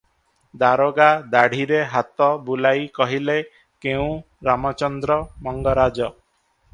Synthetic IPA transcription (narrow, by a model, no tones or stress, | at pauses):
d̪aɾoɡad̪aɽ̤iɾeɦat̪ɔbulajkɔɦile | keũ | ɾamɔt͡ʃɔnd̪ɾɔmɔŋɡɔɾad͡ʒɔ